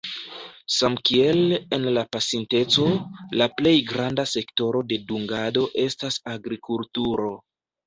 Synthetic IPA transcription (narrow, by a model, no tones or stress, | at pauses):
samkie̞le̞nlapasinte̞t͡so̞laple̞jɡɾandase̞kto̞ɾo̞de̞duŋɡado̞ʔe̞stasaɡɾikultuɾo̞